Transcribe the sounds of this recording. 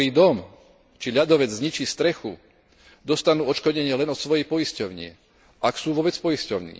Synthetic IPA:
iːd̪ɔm | t͡ʃiʎad̪ɔʋɛd͡zzɲit͡ʃiːst̪ɾɛxṵ | d̪ɔst̪anuːɔt͡ʃkɔɟɛɲɪɛlɛnɔt̪sʋɔjɛjpɔjiscɔʊɲɪɛ̰ | ʔaksuːʋɔbɛt͡spɔjiscɔʊnḭː

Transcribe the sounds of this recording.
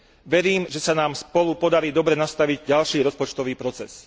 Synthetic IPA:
ʋɛɾiːmʒɛsanaːmspɔlupɔd̪aɾiːd̪ɔbɾɛnast̪aʋiɟɟalʃiːɾɔspɔt͡ʃt̪ɔʋiːpɾɔt͡sɛs

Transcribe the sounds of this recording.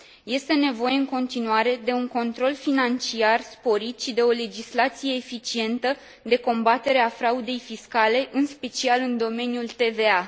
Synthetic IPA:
je̞st̪e̞ne̞vo̞je̞ɨŋko̞nt̪inuaɾe̞d̪e̞uŋko̞nt̪ɾo̞lfinant͡ʃiarspo̞ɾit̪ʃid̪e̞o̞le̞d͡ʒislat̪sije̞ːfit͡ʃie̞nt̪ə | d̪e̞ko̞mbat̪e̞ɾe̞afɾaud̪e̞jfiskale̞ʔɨnspe̞t͡ʃialɨnd̪o̞me̞njult̪e̞ve̞a

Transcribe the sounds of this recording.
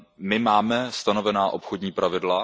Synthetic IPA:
mɪmaːmɛst̪ano̞vɛnaːʔo̞pxodɲiːpɾavɪdla

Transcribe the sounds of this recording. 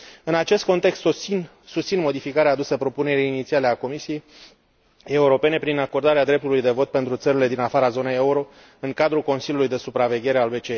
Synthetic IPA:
ɨnat͡ʃe̞st̪̚ko̞nt̪e̞kst̪ | sust̪sinmo̞d̪ifikaɾeaːd̪usəpɾo̞pune̞ɾiːnit̪siale̞ako̞misije̞j | e̞uɾo̞pe̞ne̞pɾinako̞rd̪aɾead̪ɾe̞p̚t̪ulujd̪e̞vo̞t̪̚pe̞nt̪ɾut̪səɾile̞d̪inafaɾazo̞ne̞jeuɾo̞ | ɨŋkad̪ɾulko̞nsilʲjulujd̪e̞supɾave̞ɡʲe̞ɾe̞albe̞t͡ʃee

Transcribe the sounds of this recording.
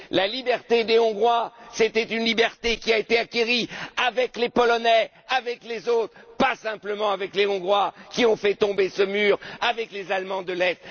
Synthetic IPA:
lalibɛʁt̪ed̪eɔ̃ɡʁwaset̪ɛt̪ynlibɛʁt̪ekʲiaet̪eakʲeʁiavɛklepɔlɔnɛ | avɛklezot̪χpasɛ̃pləmɑ̃avɛkleɔ̃ɡʁwakʲiɔ̃fɛt̪ɔ̃besəmyːʁavɛklezalmɑ̃d̪əlɛt̪

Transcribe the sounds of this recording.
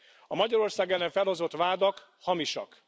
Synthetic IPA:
ɒmɒɟɒɾo̞rsaːɡɛlːɛɱfɛlho̞zo̞t̪ʋaːd̪ɒk | hɒmiʃɒ̰k

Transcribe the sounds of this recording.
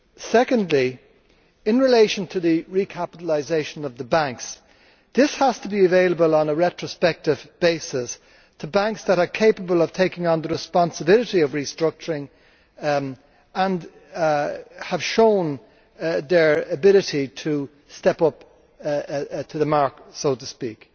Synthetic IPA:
sɛkə̃ndˡli | ɪ̃nɹɪleɪʃə̃ntʰəðɨɹikʰapəɾəlˠazeɪʃə̃nʌvðəbãŋks | ðɪshəz̥tʰəbiəveɪləbələ̃nəɹɛt͡ʃɹ̥əspɛk̚tɪvb̥eɪsɪs | tʰəbãŋksðəɾə˞kʰeɪpəbəlˠʌv̥tʰeɪkɪ̃ŋə̃nðəɹɨspɑ̃nsəbɪlɨɾiʌvɹistɹ̥ʌk̚t͡ʃə˞ɹɪ̃ŋ | ə̃n | əv̥ʃõʊ̃n | ðə˞əbɪlɨɾitʰə | stɛpʌp | tʰəðəmaɹksoʊɾəspik

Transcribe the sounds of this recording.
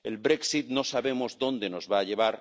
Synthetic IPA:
elβɾeksit̪no̞saβemo̞zðo̞nd̪e̞no̞zβaːʎe̞β̞aɾ

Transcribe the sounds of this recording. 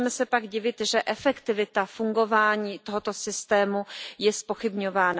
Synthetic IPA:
mɛsɛpaɡɟɪvɪt̪ʒɛʔɛfɛkt̪ɪvɪt̪afuŋɡo̞vaːɲiːt̪oɦo̞t̪o̞sɪst̪ɛːmujɛspo̞xɪbɲo̞vaːna

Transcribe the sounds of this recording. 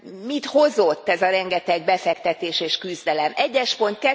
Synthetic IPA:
mit̪ho̞zo̞t̪ːɛzɒɾɛŋɡɛt̪ɛɡ̚bɛfɛkt̪ɛt̪eːʃeːʃkyzd̪ɛlɛmɛɟːɛʃpo̞nt̪̚kɛ

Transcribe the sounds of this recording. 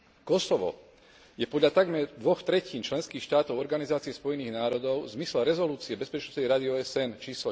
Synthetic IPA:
kɔsɔʋɔ̰ | jɛpɔd̪ʎat̪aɡmɛɾd̪ʋɔxt̪ɾɛciːnt͡ʃlɛnskiːxʃt̪aːt̪ɔʊɔɾɡanizaːt͡siɛspɔjɛniːɣnaːɾɔd̪ɔʊzmislɛɾɛzɔluːt͡siɛbɛspɛt͡ʃnɔsɛjɾad̪iɔːɛsɛnt͡ʃiːslɔ

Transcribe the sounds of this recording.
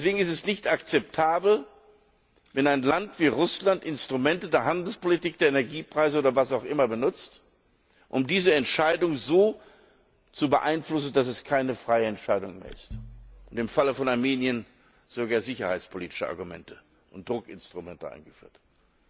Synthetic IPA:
sv̥eːɡŋ̩ɪstɛsnɪçtakt͡sɛp̚tʰaːbl̩ | vɛnaɪnlantv̥iːʁʊslantɪnstʁ̥umɛntədeːɐɦandl̩spolitiːk̚d̥eːɐenɛɐɡiːpʁ̥aɪzəoːdɐvasaʊxʔɪmɐbənʊt͡st | ʔʊmdiːzəɛntʃaɪdʊŋzoː | t͡subəʔaɪnflʊsn̩das̬ɛskʰaɪnəfʁ̥aɪəɛntʃaɪdʊŋmḛːɐɪstʔʊntɪmfaləfɔnaɐmeːnjən | z̥oɡaːɐzɪçɐhaɪt͡spʰoliːtɪ̥ʃəʔa̰ɐɡumɛ̰ntʰə | ʔʊnt̚d̥ʁʊkɪ̰nstʁ̥ʊmɛ̰ntəʔa̰ɪnɡəfy̰ːɐt

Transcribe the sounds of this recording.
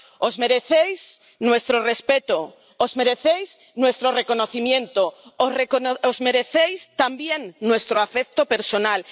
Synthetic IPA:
ozmeɾeθejs | nwest̪ɾorespet̪o | ozmeɾeθejs | nwest̪ɾorekonoθimjẽnt̪oekoozmeɾeθejst̪ambjeŋnwest̪ɾoafekt̪opeɾsonal

